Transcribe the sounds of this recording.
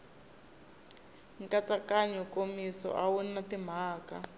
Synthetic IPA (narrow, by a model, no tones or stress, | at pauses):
ŋkat͡sakaɲɔkomisɔ̰ʔawunatim̤aːka